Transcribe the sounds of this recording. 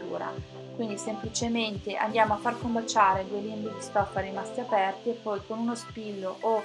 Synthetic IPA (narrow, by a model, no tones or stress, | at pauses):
ṵːɾa̰ | kwind̪isemplit͡ʃement̪eʔa̰nd̪jaːmoafːarkombat͡ʃːaːɾed̪uelimbid̪ist̪ɔfːaɾimast̪iapɛrt̪iepːɔjkonunospilːoʔo